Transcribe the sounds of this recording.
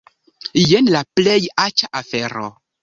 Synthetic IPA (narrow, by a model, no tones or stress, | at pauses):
jenlaplejat͡ʃaʔafeɾo̰